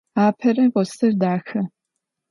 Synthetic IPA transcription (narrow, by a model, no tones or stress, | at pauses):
aːpʰɐɾɐqɔsʰɐrdaːxɐ